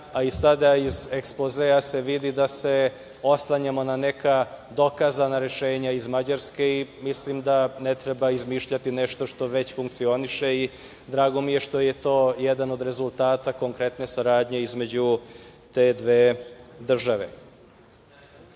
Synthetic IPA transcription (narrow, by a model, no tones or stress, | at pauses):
aisad̪aizekspozease̞ʋid̪id̪ase̞ | o̞slˠaɲamo̞nanekad̪o̞kazanaɾe̞ʃeːɲaizmad͡ʑaɾske̞imislimd̪anet̪ɾebaizmiʃʎat̪ineʃt̪o̞ʃt̪o̞ʋe̞t͡ɕfuŋk̚t̪sio̞niʃe̞i | d̪ɾaːɡo̞mije̞ʃt̪o̞je̞t̪o̞ːjed̪ano̞d̪ɾe̞zulˠt̪aːt̪ako̞ŋkɾe̞t̪ne̞saɾaːd̪ɲe̞izme̞d͡ʑut̪e̞ːd̪ʋeːd̪r̩ʒaʋe̞̰